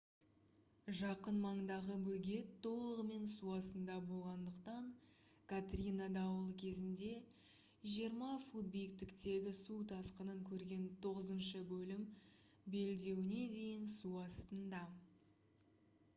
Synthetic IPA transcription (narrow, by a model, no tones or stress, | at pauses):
ʒɑqənmɑɴd̪ɑʁəbɵlɡʲe̞t̪ʰːo̞lˠəʁəme̞nsuɑsənd̪ɑbo̞lˠʁɑnd̪əqt̪ɑɴ | kʰat̪rʲinad̪ɑwəlˠkʲʰe̞zɪnd̪e̞ | ʒijəɾmɑfud̪̚bijɪk̚t̪ɪkt̪e̞ɡʲɪsut̪ʰɑsqənəŋkʲʰɵɾɡʲe̞nt̪ʰo̞ʁəzənʃəbɵlɪm | be̞ld̪e̞wɪne̞d̪e̞jɪnsuɑst̪ənd̪ɑ